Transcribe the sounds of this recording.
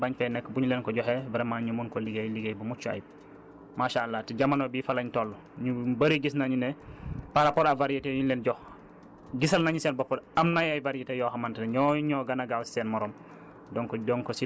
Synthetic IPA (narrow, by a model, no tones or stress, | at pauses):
baɲfɛnɛkːbuɲulɛːnkɔɟɔxɛbɛɾemaɲumunkɔliɡejliɡejbumut͡ʃːua̰j̚ | maʃaalːatiɟamanobiːfalaɲtɔlːu | ɲubɐɾiɡisnaɲunɛpaɾapɔɾavaɾijetɛjuɲulɛnɟɔx | ɡisɐlnaɲusɛːnbɔpɔɾɐmnajajvaɾietɛjɔɦɐmantɛnɲɔɲɔːɡɐnaɡawsi̥sɛnmɔɾɔm | dɔŋkɔɟɔŋkɔsi